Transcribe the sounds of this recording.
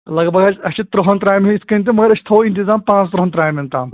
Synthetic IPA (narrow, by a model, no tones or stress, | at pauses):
lɐɡbɐɡat͡ɕɐɕit̪ɾuɦɐnt̪ɾaːjmiiskɐnt̪̬emɐɡəɾɐɕt̪ʰoːint̪̬izaːmpãt͡st̪ɾɐɦənt̪ɾaːjmint̪aːm